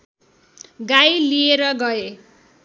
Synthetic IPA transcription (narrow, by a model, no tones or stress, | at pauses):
ɡajlieɾʌɡʌe